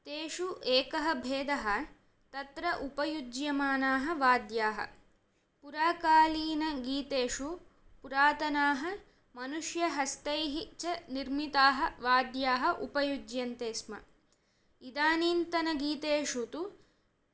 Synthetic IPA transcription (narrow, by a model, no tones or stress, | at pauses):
t̪eːʂuʔeːkɐɦɐbʱeːd̪ɐɦɐ | t̪ɐt̪ɾɐʔupɐjud͡ʒjɐmaːnaːɦɐʋaːd̪jaːɦɐ̰ | puɾaːkaːliːnɐɡiːt̪eːʂu | puɾaːt̪ɐnaːɦɐ | mɐnuʂjɐɦɐst̪ɐjɦit͡ʃɐniɾmit̪aːɦɐʋaːd̪jaːɦɐʔupɐjud͡ʒjɐnt̪eːsmɐ̰ | id̪aːniːnt̪ɐnɐɡiːt̪eːʂut̪u